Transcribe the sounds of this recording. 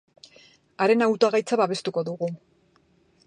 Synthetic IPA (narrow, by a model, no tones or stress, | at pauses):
aɾe̞nawt̪oaɣajt͡saβaβe̞st̪uko̞ðuɣu